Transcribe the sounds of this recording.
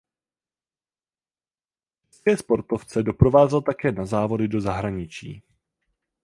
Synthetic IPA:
t͡ʃɛskɛːspo̞ɾt̪o̞ft͡sɛdo̞pɾo̞vaːzɛlt̪akɛːnazaːvo̞dɪdo̞zaɦɾaɲɪt͡ʃḭː

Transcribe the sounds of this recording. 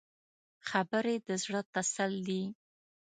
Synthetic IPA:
xabəɾed̪əzɽət̪asald̪i

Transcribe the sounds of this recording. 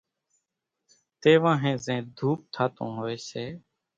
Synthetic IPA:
t̪eːʋãːɦẽːzẽːd̪ʱuːp̚t̪ʰaːt̪õ̰ːɦoːeːseː

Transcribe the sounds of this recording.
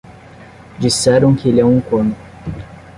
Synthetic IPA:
d͡ʒisɛɾɐ̃w̃kɪelɪɛũŋkõnʊ

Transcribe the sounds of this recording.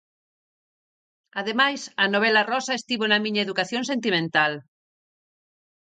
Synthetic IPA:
ɐðemajsɐnoβ̞ɛlɐrɔsɐest̪iβonɐmĩɲɐeðukaθjõŋsent̪imẽnt̪al

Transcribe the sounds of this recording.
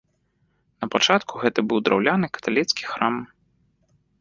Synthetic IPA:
nɐpat͡ʂat̪kʰuɣɛt̪ɐbɨwd̪ɾa̰wlʲanɨkɐ̥t̪alʲit̪skʲi̥xɾam

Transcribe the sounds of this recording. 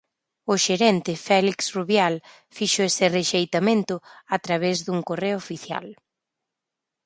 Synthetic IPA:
ʊʃeɾɛnt̪ɪfɛliksruβjal | fiʃoesɪreʃejt̪amẽnt̪ʊat̪ɾaβezðuŋkoreofiθja̰l

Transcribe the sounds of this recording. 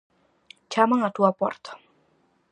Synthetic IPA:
t͡ʃamaŋad̪uapɔrt̪

